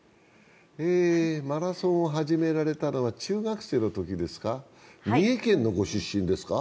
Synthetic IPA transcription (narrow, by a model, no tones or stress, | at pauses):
eːmaɾasõ̞ɰ̃oɦaʑime̞ɾaɾe̞t̪ano̞βat͡ɕɨːɡakɯ̟̥se̞ːno̞t̪o̞kʲid̪e̞sɨ̥ka | mʲiekẽ̞nːo̞ɡo̞ɕɨɕːĩnd̪e̞sɨ̥ka